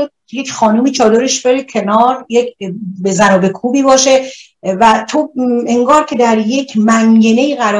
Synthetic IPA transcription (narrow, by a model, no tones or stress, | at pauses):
od̪̚ejecʲʰχɒːnuːmiːt͡ʃʰɒːd̪oɾeʃbe̞ɾecʲʰe̞nɒːɾjekbezænɒːbe̞kʰuːbiːbɒːʃe̞ | væt̪ʰoe̞ŋɡɒːɾcʰʲe̞d̪æɾje̞cʰmæŋɡene̞iɣæɾɒ